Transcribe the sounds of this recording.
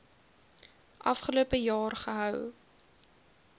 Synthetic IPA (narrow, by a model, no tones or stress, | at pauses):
ʔɐ̰fχəluəpəjɑːrχəɦœw